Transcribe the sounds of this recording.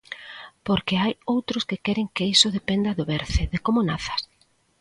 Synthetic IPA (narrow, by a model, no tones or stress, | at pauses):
poɾkeajowt̪ɾʊskekɛɾɪŋkeisʊðepend̪ɐðʊβeɾθeðekomonaθɐ̥s